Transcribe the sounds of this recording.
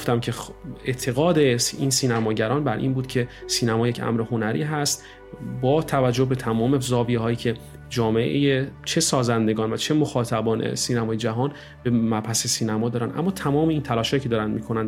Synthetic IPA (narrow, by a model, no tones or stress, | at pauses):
ɡoft̪æmcʰeeʔt̪ʰe̞ɣɒːd̪e̞iːnsiːnæmɒːɟæɾɒːnbæɾʔḭːnbuːd̪̥cʰe̞siːnæmɒːje̞cʰæ̰mɾeho̞næɾḭːɦæst̪ | bɒːt̪ʰævæd͡ʒːohbe̞t̪ʰæmɒːmezɒːvijeɦɒːjiːcʰe̞ | d͡ʒɒːme̞ʔejet͡ʃʰe̞sɒːzænd̪e̞ɡɒːnvæt͡ʃʰe̞moxɒːt̪ʰæbɒːnʔḛsiːnæmɒːjed͡ʒæɦɒːn | b̥e̞mæbhæsesiːnæmɒːd̪ɒːɾænd̪ʔæ̰mːɒːt̪ʰæmɒːmeiːnt̪ʰælɒːʃhɒːjicʰeɒːɾænd̪miːkʰonænd̪